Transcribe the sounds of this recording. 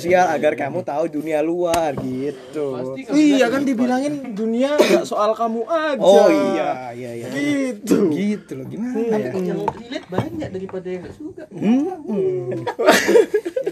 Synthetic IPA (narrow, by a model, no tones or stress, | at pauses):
sialaɡarkamut̪audunialuarɡit̪uiijakandibilaŋɪnduniaɡaʔsoʔalkamuʔaoijaijaijaɡit̪uɡit̪ulaɡimʊnailɪt̪̚baɲaʔ̚daɾipadajaŋɡaʔd͡ʒuɡa